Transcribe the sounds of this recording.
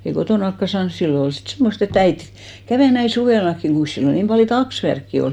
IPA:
jɑ ei kotoˑnɑkːɑ sɑːns silːo ol sit semːost et æit kæʋeˑ næin̞ suʋeˑlɑkːiŋ ɡ̊uin̞s silːo niːm pɑljo tɑksʋærkːi ol

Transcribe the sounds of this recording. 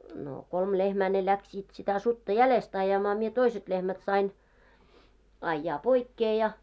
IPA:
no kolm lehmæː ne læksiːt sitæ sutːɑ jælest ɑjɑmɑː mie toiset lehmæt sɑin ɑjːɑː poikːeː jɑ

